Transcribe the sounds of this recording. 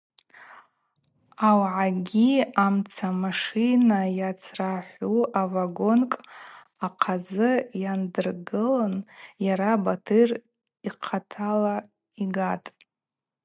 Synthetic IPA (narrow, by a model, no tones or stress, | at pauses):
awʕaɡʲiamt͡sʰamaʂinajat͡sʰraħʷuʔavaɡo̞nkʼ | aqʰazɨjandɨrɡɨlanjaɾabatʰɨr | iqʰatʰala | iɡatʼ